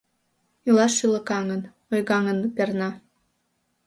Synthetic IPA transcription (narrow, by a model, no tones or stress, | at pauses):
ilˠɑːɯlˠɤ̆kɑŋə̆n | ojɣɑŋə̆npʲernɑ